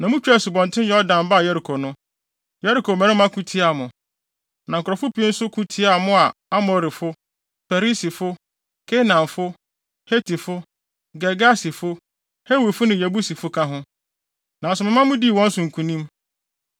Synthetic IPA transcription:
nã˨mʊ̃˦t͡ɕᶣɛ˦˨sʊ˨bɔ̃˨n˨tʰɪ̃˦ɛ˦ɔ˦dã˨m˨ba˦˨jɛ˦ɾi˨kʰo˨nʊ̃˦ | jɛ˦ɾi˨kʰo˨mɛ̃˨˦ɾɪ̃˦mã˦kʰũ˦tʰi˦a˨mʊ̃˨ | nã˨ŋ̩˨kʰʊ˨ɾɔ˨fʊ˦pʰi˦n̩˦sʊ˦kʰũ˦tʰi˦a˨mʊ̃˦a˨a˦mɔ˨ɾɪ˨fʊ˦ | fa˨ɾi˦si˨fʊ˦ | kʰe˦nã˨nfʊ˦ | he˦tʰi˨fʊ˦ | ɡɛ˨ɡa˦sɪ˨fʊ˦ | he˦wi˨fʊ˦nɪ̃˨jæ˨bu˦si˨fʊ˦kʰã˦ɦʊ̃˦ | nã˨sʊ˨mɪ̃˨mã˦mʊ̃˦di˦˨wɔ̃˦n˦sʊ̃˨ŋ̩˨kʰũ˨nĩ˦m

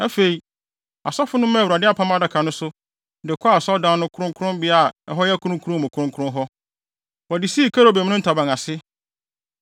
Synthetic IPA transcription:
æ˦fe˨i˨ | a̰˨sɔ˦fʊ˦nʊ̃˦mã˦˨wu˨ɾa˨dɪ˦a˦˨pʰã˦ma˦da˨kʰa˨nʊ̃˦sʊ˦ | dɪ˨kʰɔ˦a˨sɔ˦dãː˦nʊ̃˦kʰʊ˦ɾʊ̃˦ŋkʰʊ˦ɾʊ̃˦mbɪ˦a˦˨ɛ˨ɦɔ˦jɛ˦kʰʊ˦ɾʊ̃˦kʰu˦ɾʊ̃˦mʊ̃˨kʰʊ˨˦ʊ̃˦kʰʊ˦ʊ̃˦ɦɔ˦ | wɔ˨dɪ˨si˦˨kʰa˦ɾo˨bɛ˨m̃˦nʊ̃˦tʰa˨bã˨ŋa˨sɪ˦

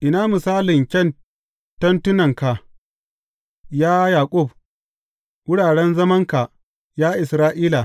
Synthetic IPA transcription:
ʔɪ˨naː˦mʊ˨saː˦lɪ˨ŋkʲɐ˦˨n | tɐ˦ntʊ˦nɐ˨ŋka˨ʔ | jaː˦jaː˨kʷʼʊ˦˨b̚ | wʊ˦ɽaː˨ɽɛ˦nzɐ˦mɐ˦ŋka˨ | jaː˦ʔɪ˨sɾaː˦ʔiː˦la˨

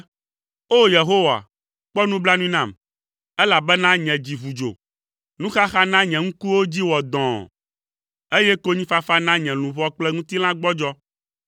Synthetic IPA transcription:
o˦je˨ɦo˦wa̰˨ | k͡pɔ˦nũ˦bla˦nũ˦i˦nã˨m | ɛ˦la˨bɛ˦nã˦ɲɛ̃˨d͡ʑi˨vu˨d͡ʒo̰˨ | nũ˦xa˦xa˦nã˦ɲɛ̃˨ŋũ˦ku˦wo˦d͡ʑi˦wɔ˨d̪ɔ̃˨ | e˦jɛ˦ko˦ɲĩ˦fa˦fa˦nã˦ɲɛ̃˨lũ˨vɔ˦k͡plɛ˦ŋũ˦t̪i˦l̃ã˦ɡ͡bɔ˦d͡ʒɔ˦

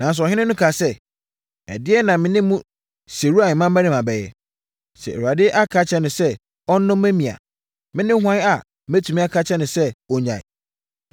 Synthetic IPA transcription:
nã˨n˦s̬ʊ˨ɔ˨ɦɪ̃˦nɪ̃˦nʊ̃˦kʰa˨sɛ˦˨ | ɛ̰˨dɪ˦ɛ˦nã˨mɪ̃˦nɪ̃˦mũ˦ | se˨ɾu˦a˨nɪ̃˨mã˦mː˦æ̃˦nɪ̃˨mã˨bɛ˨jɛ̰˨ | sɛ̰˨ɛ̰˨wu˨a˨dɪ˦ʔa˦kʰa˦t͡ɕʰɛ˦nʊ̃˨sɛ˦ | ɔ˦n˦nʊ̃˦mː˦æ̃˦mĩ˨a̰˨ | mɪ̃˦nɪ̃˦hʷã˦n˦a˨ | mæ˦tʰu˨mĩ˦a˦kʰa˦t͡ɕʰɛ˦nʊ̃˨sɛ˦ɔ˨ɲã̰˨

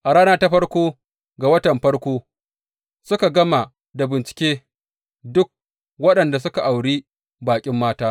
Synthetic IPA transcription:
ʔa˨ɽaː˦naː˦ta˦ɸɐ˦ɽkʷoː˦ | ɡa˨wɐ˦tɐ˨mɸɐ˦ɽkʷoː˦ | sʊ˦ka˨ɡɐ˦ma˨ | da˨bɪ˨nt͡ʃɪ̥˨kʲeː˦ | dʊ˦k̚ | wɐ˦ɗɐ˨nda˨s̬ʊ˦ka˨ʔa˨wɽiː˦ | baː˨kʲʼɪ˦mːaː˦taː˦

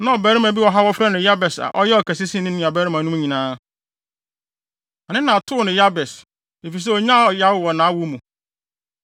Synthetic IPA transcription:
nã˦ɔ˨bɛː˨˦ɾɪ˦mã˨bi˦wɔ˨ɦa˦wɔ˦fɾa˦nɪ̃˨ja˦bɛ˨sa̰˨ʔɔ˦jɛ˦ɔ˨kɛ˨sɪ˦sĩ˦nɪ̃˦nɪ̃˨a˨bɛː˨˦ɾɪ˦mã˨nũ˦m˦ɲĩ˨nãː˦ | ɔ˨nɪ̃˦nã˨tʰʊ˦˨nɪ̃˨ja˦bɛ˨s | e˨fi˨s̬ɛ˦ɔ˨ɲã˦˨ja˦wʊ˨wɔ˨nãː˨˦wʊ˦mũ˨

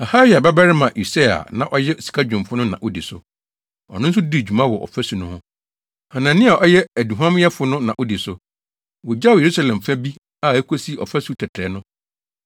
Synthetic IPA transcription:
a˨ha˦wi˨a˨bɛ˦bɛ˦ɾɪ˦mã˨ʔi˨sa˦a̰˨nã˨ʔɔ˦jɛ˦˨si̥˨kʰa˦d͡ʑᶣʊ̃˨m˨fʊ˦nʊ̃˦nã̰˨ʔo˦di˨sʊ̰˨ | ɔ̰˨nʊ̃˦n̩˦s̬ʊ˦di˦˨d͡ʑᶣu˨mã˦wɔ˨ʔɔ̰˨fæ˦su˨nʊ̃˦hʊ̃˦ | hã˨nã˨nɪ̃˦a˨ʔɔ˦jɛ˦æ˨du˨ɦã˦m˦jɛ˦fʊ˨˦nʊ̃˦nã˨ʔo˦di˨sʊ˨ | wɔ˨d͡ʑa˦ʊ˨je˨ɾu˦sa˦lɛ̃˨m˨fɛ˦bi˦ | a˦˨e˦kʰo˦si˦ɔ̰˨fɛ˦su˨˦tʰɛ˨tʰɛ˨˦nʊ̃˦

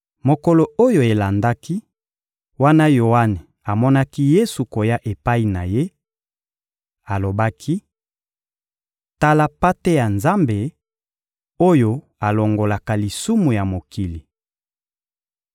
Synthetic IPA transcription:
mo˨ko˨lo˨o˦jo˨e˨la˨nda˦ki˦ | wa˦na˦jo˨wa˦ne˨ | a˨mɔ˦na˦ki˦je˦su˨ko˨ja˦ʔe˨pa˦i˨na˨je˦ | a˨lo˨ba˦kʰi˦ | ta˦la˦pa˦te˦ja˨nza˦mbe˨ | o˦jo˦ | a˨lo˨ŋɡo˨la˨ka˨li˨su˦mu˨ja˨mo˨ki˨li˨

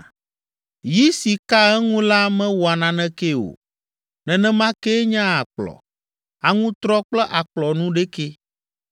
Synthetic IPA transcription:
ji˦si˨ka˦ɛ˦ŋũ˦la˦mɛ̃˦wɔ˨a˨nã˨nɛ̃˦ke˦o̰˨ | nɛ̃˨nɛ̃˦mã˦ke˦ɲã˦a˨k͡plɔ̰˨ | a˨ŋũ˦t̪ɾɔ˦k͡plɛ˦ʔa˨k͡plɔ˨nũ˦ɖe˦ke˦

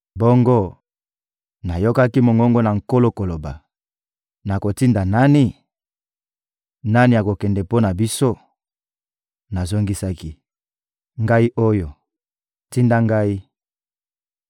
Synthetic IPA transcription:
bo˦ŋɡo˦ | na˨jo˦ka˦ki˦mo˨ŋɡɔ˦ŋɡo˦na˨ŋ̩˨ko˦lo˦ko˨lo˨ba˨ | na˨ko˨ti˦nda˨na˦ni˦ | na˦ni˨ja˨ko˨kɛ˨ndɛ˨po˦na˨bi˦so˦ | na˨zo˦ŋɡi˦sa˦ki˦ | ŋɡa˦i˦ʔo˦jo˨ | ti˦nda˦ŋɡa˦i˦

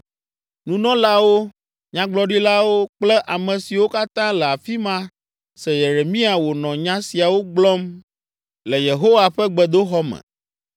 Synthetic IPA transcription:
nũ˨nɔ̃˦la˦wo˦ | ɲã˦ɡ͡blɔ˦ɖi˦la˦wo˦k͡plɛ˦ʔa˨mɛ̃˨si˨wo˦ka˦t̪ã˦lɛ˨a˨fi˦mã˦ | sɛ˨je˨ɾe˨mĩ˦a˨wo˨nɔ̃˨ɲã˦si˨a˨wo˦ɡ͡blɔ˦m | lɛ˨je˨ɦo˦wa˨ɸɛ˦ɡ͡bɛ˨d̪o˦xɔ˦mɛ̰̃˨

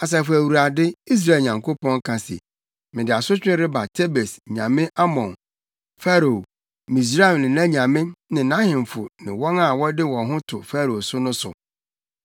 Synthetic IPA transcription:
a˨s̬ɛ˨fʊ˨æ˨wu˨ɾa˨dɪ˦i˦s̬ɾa˦˨ɲã˨ŋkʰo˦pɔ̃˦ŋ˦kʰã˨sḛ˨ | mɪ̃˨dɪ˨a˨sʊ˦t͡ɕᶣɪ̃˦ɾɪ˦ba˨tʰe˦be˨sɲã˨mɪ̃˦ʔa˦mɔ̃˨n | fa˦ɾo˨ | mĩ˨s̬ɾa˦ɛ˨nɪ̃˨nã˦ɲã˨mɪ̃˦nɪ̃˨nã˦hɪ̃˨m˨fʊ˨nɪ̃˨wɔ˦na˨wɔ˦dɪ˦wɔ̃˨ɦʊ̃˦tʰʊ˨fa˦ɾo˨sʊ˦nʊ̃˦sʊ̰˨

